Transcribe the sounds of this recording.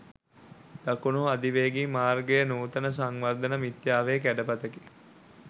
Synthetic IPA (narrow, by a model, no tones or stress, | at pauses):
d̪̥akunuad̪iʋeɡiːmaːrɡejənuːt̪ənəs̬aŋʋaɾd̪ənəmit̪jaːʋeːk̬æɖəpat̪əki̥